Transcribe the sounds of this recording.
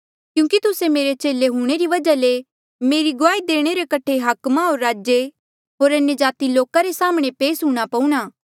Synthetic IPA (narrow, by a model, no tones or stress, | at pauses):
kjũːkit̪ʊsemeːɾet͡ʃeːleɦuɽ̃eɾiʋɐd͡ʒale | meːɾiɡʊaːid̪eːɽ̃eɾekɐʈʰeɦɐkmaɦoːɾːaːd͡ʒe | ɦoːɾɐnjəd͡ʒaːt̪iloːkaɾesaːmɽ̃epeːsɦũːɽ̃apɐũɽ̃aː